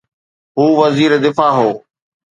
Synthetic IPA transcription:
ɦuːʋɐziːɾed̪ɪfaːɦoː

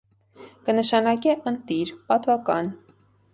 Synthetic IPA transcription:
kənəʃɑnɑkɛʔənt̪iɾpɑt̪vɑkɑn

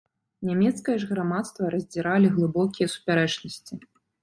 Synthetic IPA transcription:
nʲamʲɛt̪skɐjɐʐɣɾamat̪st̪vɐɾɐzʲd͡zʲiɾalʲiɣlˠɨbɔkʲijɐsu̥pʲaɾɛt͡ʂnɐsʲt͡sʲi

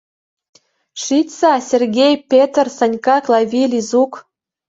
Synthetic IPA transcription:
ʃitʲsɑsʲerɣʲejpʲet̪rsɑnʲkɑklɑvʲilʲizuk

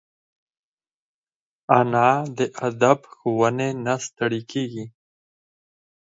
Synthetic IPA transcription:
anɑd̪əʔad̪abxowənenast̪əɽikʰeɡi

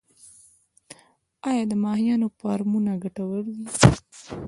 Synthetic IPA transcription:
ɑjɑd̪əmɑhijɑnopɑɾmunaɡaʈawəɽwi

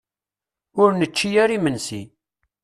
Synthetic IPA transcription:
ʊɾnət͡ʃːijæɾimənsi

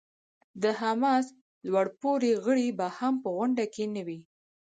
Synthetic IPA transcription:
d̪əɦamɑs | lwaɽpoɾeɣəɽibahampəɣʊɳɖakenawi

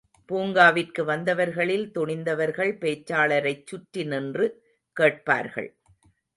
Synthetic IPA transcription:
puːŋɡaːʋɪrkɯʋɐnd̪ɐʋɐɾɣɐɭɪlt̪ɔɳɪnd̪ɐʋɐɾɣɐɭpeːt͡ʃːaːɭɐɾɐɪt͡ʃːʊʈɾɪnɪndrɯ | keːʈ̚pa̰ːɾɣɐ̰ɭ

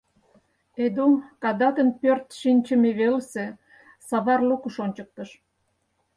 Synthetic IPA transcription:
ed̪umkɑd̪ɑt̪ənpørt̪ʃinʲt͡ɕəmeβelse | sɑβɑrlukuʃonʲt͡ɕək̚t̪əʃ

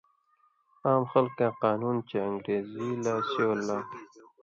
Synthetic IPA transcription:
aːmxalkaqɑːnunt͡ʃeəŋɡɾeːzilasowlːaː

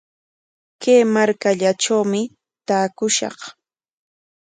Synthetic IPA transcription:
keːmaɾkaʎaʈ͡ʂawmɪ | t̪aːkʊʃɑ̰χ

